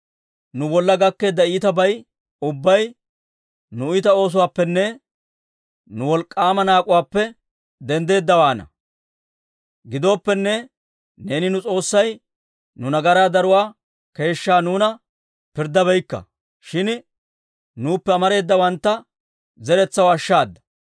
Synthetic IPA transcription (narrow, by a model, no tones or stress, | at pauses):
nʊbɔlːɐɡɐkːe̞ːd̪ːɐiːt̪ɐbɐj | ʊbːɐj | nʊɪt̪ɐo̞ːs̬ʊwaːpːɛnːɛ | nʊwɔlkʼːaːmɐnaːkʼʊwaːpːɛ | d̪ɛnd̪e̞ːd̪ːɐwaːnɐ̰ | ɡɪd̪o̞ːpːɛnːɛ | ne̞ːnɪnʊt͡sʼo̞ːsːɐj | nʊnɐɡɐɾaːd̪ɐɾʊwaː | ke̞ːʃːaːnuːnɐ | pɪɾd̪ɐbɛjkːɐ̰ | ʃɪn | nuːpːɛɐmɐɾe̞ːd̪ːɐwɐnt̪ːɐ | zɛɾɛt͡sːɐwɐʃːaːd̪ːɐ̥